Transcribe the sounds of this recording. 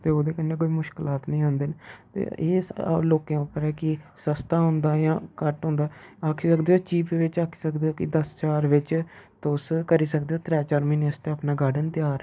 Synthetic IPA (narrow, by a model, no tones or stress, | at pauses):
t̪eːoːd̪eːkənːeːkoːiːmʊʃkɪlaːt̪nəĩːɦãːnd̪ɪːnt̪ḛːḛːloːkẽːʊpːəɾɛːkɪsəst̪aːɦʊ̃nd̪aːjãːkəʈɦʊ̃ːnd̪aːaːkʰiːsəkd̪eːoːt͡ʃiːpʋɪt͡ʃaːkʰi̥ːsəkd̪eːoːkɪd̪əst͡ʃaːɾʋɪt͡ʃt̪ʊskəɾiːsək̚d̪eːoːt̪ɾɛːt͡ʃaːɾmineːəst̪eːaːpnaːɡaːɖənt̪ɪjaːɾ